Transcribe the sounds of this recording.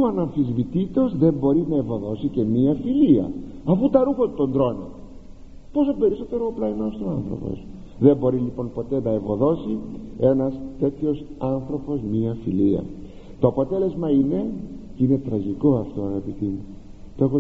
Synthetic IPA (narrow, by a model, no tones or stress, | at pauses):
uɐnɐɱfizvit̪it̪o̞zðe̞mbo̞ɾinɐevo̞ðo̞sice̞miɐfiliɐ̰ | ɐfut̪ɐɾuxot̪t̪o̞nd̪ɾo̞nḛ | po̞so̞pe̞ɾiso̞t̪e̞ɾoplɐinost̪oɐnθɾo̰po̰s | ðe̞mbo̞ɾilipo̞npo̞t̪e̞nɐevo̞ðo̞sie̞nɐst̪e̞t̪ço̞sɐnθɾo̞po̞smiɐfiliɐ̰ | t̪o̞ɐpo̞t̪e̞le̞zmɐine̞cine̞t̪ɾɐʝiko̞ɐft̪o̞ɐɣɐpit̪imu | t̪oxo